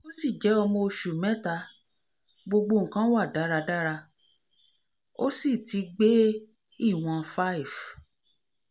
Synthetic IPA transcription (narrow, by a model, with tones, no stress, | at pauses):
o˦si˦˨d͡ʒɛ˨˦ɔ˧mo˧˨ʃu˨mɛ̃˦ta˧ | ɡ͡bo˧ɡ͡bo˧ŋ̩˨kã˦wa˦˨da˨˦ɾa˧da˦ɾa˧ | o˦si˦˨ti˨˧ɡ͡be˦ | i˦˨w̃ã˧fa˦i˨v